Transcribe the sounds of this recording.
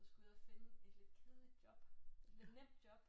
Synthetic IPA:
sɡ̥uɐfene̝d̥le̝d̥̚kʰeðˠlid̥jɒ̽b̥e̝d̥le̝d̥nem̰d̥̚jɒ̽b̥

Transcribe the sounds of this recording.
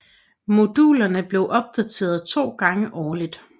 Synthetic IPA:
mo̝d̥uːlɐnəb̥le̝ʊʔɒ̽b̥̚d̥æt͡sʰe̝̰ːɐð̞ˠt͡sʰo̝̰ːɡ̥ɑ̈ŋəʔɒːlid̥

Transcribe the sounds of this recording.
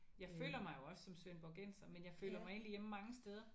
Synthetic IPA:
jɑ̈ɪfø̰ːlɐmɑ̈ɪjo̝ɒ̽ssɒ̽msʋenb̥ɒɡ̥ensɐmenjɑ̈ɪfø̰ːlɐmɑ̈ɪe̝ːnlijem̰mɑ̈ŋəsd̥eð̞ˠɐ

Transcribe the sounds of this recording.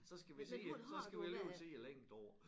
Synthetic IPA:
sɒ̽sɡ̥æʋisḛsɒsɡ̥æʋiele̝ːʊsʰe̝̰ːæleŋ̰d̥ɒʊ̰ɐ

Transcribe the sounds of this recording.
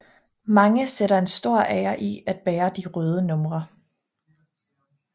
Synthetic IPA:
mɑ̈ŋəseɾɐe̝nsd̥o̝ɐ̰ʔɛɐʔiæd̥̚b̥ɛːɐd̥iʁœːð̞ˠənɔ̽mʁɐ

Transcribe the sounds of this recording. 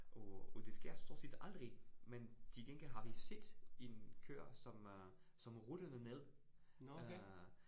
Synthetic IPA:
ʔɒɒd̥e̝sɡ̥e̝ɐ̰sʰo̝ɐsid̥ɑ̈ld̥ʁiment͡sʰeɡ̥eŋɡ̥elɦɑ̈ʋise̝d̥e̝nkʰø̰ɐ̰sɒ̽m | sɒ̽mʁud̥ənəneðˠ

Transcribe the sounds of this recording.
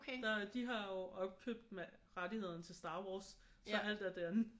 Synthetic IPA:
dæd̥iɦɑ̈jo̝ʔɒ̽b̥̚kʰø̰b̥̚d̥meʁadihe̝ð̞̰ˠn̩t͡sʰe̝lsd̥ɑ̈ːwɒːs | sɒ̽æl̰d̥æɐd̥eæn

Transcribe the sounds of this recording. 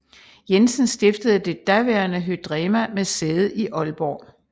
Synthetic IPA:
jensənsd̥e̝fd̥əð̞̩ˠəd̥e̝d̥æʋeɐnəɦød̥ʁɛːmæmeseːð̩ˠiʔɒ̽lb̥ɒ̰ː

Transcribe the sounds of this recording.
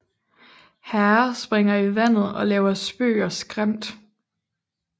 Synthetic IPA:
hæɐsb̥ʁeŋɐiʋæn̰ð̩ˠɒ̽lɛːʊɐsb̥ø̰ːɒsɡ̥ʁam̰d̥

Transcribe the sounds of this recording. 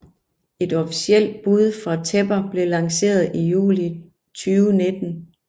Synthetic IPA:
e̝d̥ɒfisiel̰d̥̚b̥uð̞ˠfʁɑ̈t͡sʰeb̥ɐb̥le̝lɑ̈ŋse̝̰ːɐð̞̩ˠijṵːli | t͡sʰyːʊne̝d̥n̩

